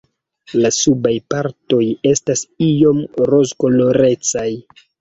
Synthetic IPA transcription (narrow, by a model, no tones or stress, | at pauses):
lasubajpaɾto̞je̞stasio̞mɾozɡo̞lo̞ɾe̞t͡saj